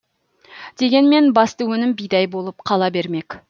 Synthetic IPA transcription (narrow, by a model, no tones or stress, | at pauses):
d̪̥e̞ɡʲe̞nme̞nbɑst̪əwɵnɪmbijd̪ɑjbo̞lˠəp̚qʰɑlˠɑbe̞ɾme̞k